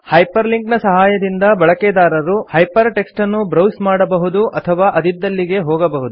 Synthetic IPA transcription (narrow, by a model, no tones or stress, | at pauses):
hɐjpɐɾliŋknɐsɐɦaːjɐd̪ind̪ɐbɐɭɐked̪aːɾɐɾuhɐjpɐɾʈe̞ksʈɐnːubɾɐwsmaːɽɐbɐɦud̪uʔɐt̪ʰɐʋaːʔɐd̪id̪ːɐlːiɡe̞ɦɔːɡɐbɐɦud̪u